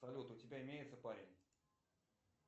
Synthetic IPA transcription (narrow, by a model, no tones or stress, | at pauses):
ɐlʲut̪ʊtʲɪbʲaɪmʲejɪt̪səpaɾʲɪnʲ